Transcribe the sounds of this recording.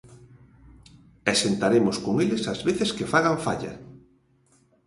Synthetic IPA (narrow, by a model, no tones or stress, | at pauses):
esent̪aɾemʊskoŋelesazβeθeskefaɣaɱfa̰ʎɐ̰